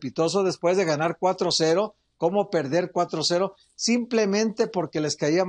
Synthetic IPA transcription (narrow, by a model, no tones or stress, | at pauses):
pit̪o̞s̬oðe̞spwe̞zðe̞ɣanaɾkwat̪ɾose̞ɾo̞ | ko̞mo̞pe̞ɾðe̞ɾkwat̪ɾose̞ɾo̞ | simplemẽ̞nt̪e̞po̞ɾke̞le̞skaia